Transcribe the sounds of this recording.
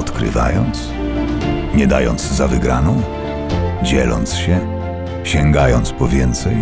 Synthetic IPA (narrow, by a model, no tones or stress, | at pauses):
ɔt̪kɾɘ̰va̰jɔnt̪s | ɲɛd̪a̰jɔnt̪zzavɘɡɾanɔ̃w̃ | d͡ʑɛlɔ̰nt̪sɕɛ | ɕɛŋɡajɔnt̪spɔvʲjɛnt̪sɛj